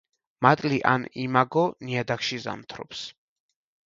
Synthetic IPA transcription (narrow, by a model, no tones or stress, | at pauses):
mat̪ʼliʔa̰nimaɡɔniad̪akʃiza̰mt̪ʰɾɔ̰ps